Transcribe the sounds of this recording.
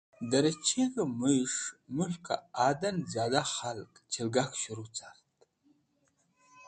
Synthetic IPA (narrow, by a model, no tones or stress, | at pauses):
daɾat͡ʃʰekamɨjʂmɨħʷkʰa̰adand͡zazaχalkʼt͡ʃʰelɡakʰʷʃaɾut͡sʰarttʼ